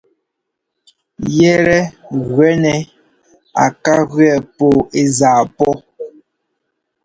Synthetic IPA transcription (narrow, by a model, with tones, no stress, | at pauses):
jɛ˦ɾɛ˦ɣwɛ˦nɛ˨ | a˨ka˦ɣɥɛ˦˨po˦˨e˦zaː˨pɔ˦